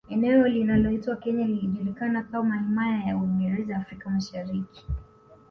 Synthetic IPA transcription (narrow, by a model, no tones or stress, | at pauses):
ɛnɛɔlinalɔitwakɛɲaliliʄuɾikanakamahimajajauiŋɡɛɾɛzaafɾikamaʃaɾiki̥